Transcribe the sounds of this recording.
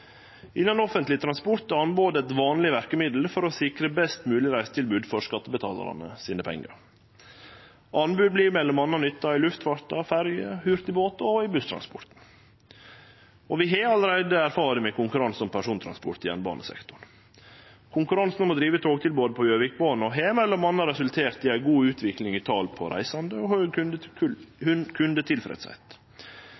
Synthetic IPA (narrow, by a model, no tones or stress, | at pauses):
ʔɪnːɑnɔfənt̪lɪt̪ʰɾɑnspɔɾt̪ːɑnboːd̪əɛt̪ʋɑːnlɪʋæɾkəmɪd̪l̩fɔɾɔsɪkɾəbɛst̪mʉːlɪɾæɪst̪ʰɪlbʉːd̪fɔʂkɑt̪ːəbət̪ʰɑ̰ːlə̰ɾɑ̰nə̰siːnəpʰɛ̰ŋːə̰ɾ | ʔɑnbʉːd̪bliɾmɛlːɔmɑnːɑnʏt̪ːɑɪlʉft̪ʋɑɾt̪ɑfæɾjəhʉɾt̪ɪboːt̪ɔɪbʉst̪ʰɾɑ̰nspɔ̰ɾt̪n̩ | ɔʋɪɦeːɑləɾæɪd̪əæɾfɑːɾəmɛkʰʊŋkʉɾɑnsɔmpʰæʂuːnt̪ʰɾɑ̰nspɔ̰ɾt̪ɪɛ̰nbɑ̰ːnəsɛ̰kt̪ʊɾ | kʰʊŋkʉɾɑnsnmɔd̪ɾiːʋət̪ʰoːɡt̪ʰɪlboːd̪əpʰɔjøːʋɪk̚boːn̩ɔɦeːmɛlːɔmɑnːɑɾɛsʉlt̪ʰeːɾt̪ɪæɪɡuːʉːt̪ʰʋɪklɪŋɪt̪ʰɑːlpʰɔ̰ɾʔæ̰ɪsɑnd̪əɔhøːnə | kʰʉnd̪ət̪ʰɪlfɾɛ̰ːt̪sɛ̰t̪